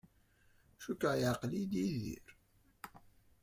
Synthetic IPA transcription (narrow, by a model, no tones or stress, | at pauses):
ʃukːʕjaqlid̪iðḭɾ